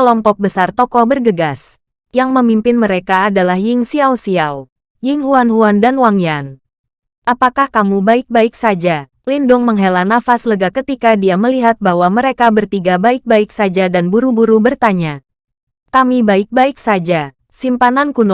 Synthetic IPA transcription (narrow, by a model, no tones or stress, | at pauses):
kəlɔmpɔk̚bəsart̪ɔkɔbərɡəɡas | jaŋməmimpɪnməɾekaːdalahjɪŋsiawsiaw | jɪŋɦuanɦuandanwaŋjan | ʔapakahkamubaɪk̚baɪksad͡ʒa | lindʊŋməŋɦelanːafasləɡakət̪ikadiaməliɦat̪̚baɦwaməɾekabərt̪iɡabaɪk̚baɪksad͡ʒadanbuɾubuɾubərt̪aɲa | kamibaɪk̚baɪk̚sad͡ʒa | simpanankunu